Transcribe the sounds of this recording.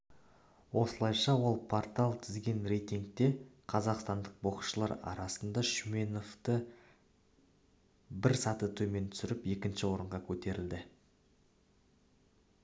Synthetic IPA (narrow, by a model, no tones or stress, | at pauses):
wʔo̞səlˠɑjʃɑwo̞lˠpʰo̞rt̪ɑlˠt̪ʰɪzɡʲe̞nre̞jt̪iŋk̚t̪e̞qʰɑzɑqst̪ɑnd̪əq̚boqʃəlˠɑɾɑ̰ɾɑsənd̪ɑʃmeno̞ft̪ə | bɪɾsɑt̪ət̪ʰɵme̞nt̪ʰʏ̥sɪɾɪpe̞kʲɪnʃɪwo̞ɾəɴʁɑkʲʰɵt̪e̞ɾɪld̪ɪ